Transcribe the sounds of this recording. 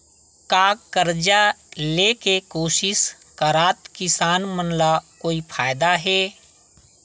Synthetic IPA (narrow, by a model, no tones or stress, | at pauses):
kaːkəɾd͡ʒalekekoːʃɪʃ | kəɾaːt̪kɪsaːnmənlakoːipʰaːjd̪aɦɛː